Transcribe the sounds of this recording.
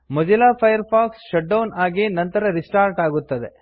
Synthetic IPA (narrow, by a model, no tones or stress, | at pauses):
mɐd͡ʒɐlaːpʰɐjɐɾpʰaːksʃɐʈ̚ɖɐwnaːɡenɐnt̪ɐɾɐɾisʈaːɾʈaːɡut̪ːɐd̪e